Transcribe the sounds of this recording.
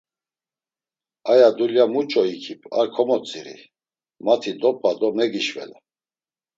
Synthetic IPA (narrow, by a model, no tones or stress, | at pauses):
ajad̪uljamut͡ʃʼɔikʰipʰʼa̰ɾkʰɔmɔt͡sʼiɾḭ | mat̪ʰid̪ɔp̚ʼvad̪ɔmɛɡiʃvɛ̰la